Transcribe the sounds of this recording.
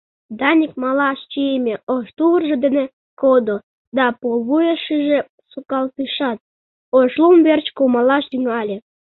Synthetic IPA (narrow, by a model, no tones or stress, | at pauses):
d̪ɑnʲik̚mɑlɑʃt͡ɕiemʲeoʃt̪uβərʒĕd̪ene | kod̪o | d̪ɑpoβujeʃiʒĕ | sukɑlt̪ɨʃɑt̪̚ | oʃlumβert͡ɕkomɑlɑʃd̪yŋɑlʲe